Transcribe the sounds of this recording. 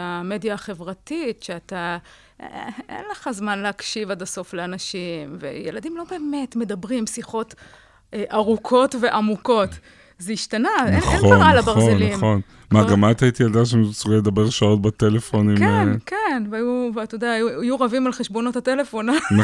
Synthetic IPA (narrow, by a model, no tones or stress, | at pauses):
ame̞diaχe̞vʁatitʃeat̪a | ʔḛnleχazmanleakʃivadaso̞fleanaʃimvḛjeladimlo̞be̞ːme̞tme̞dabʁimsiχo̞t | ʔʔaʁukʰo̞tve̞ʔamuko̞t | zeiʃtanaenenoʁalabaʁzlimon | maaɡamat̪ait̪ijeld̪aʃ̬enusʁeledabeʁʃao̞t̪̚bat̪elefo̞nikmnkenvajuvatodaaajuʁavimalχeʃbo̞no̞tatelefonam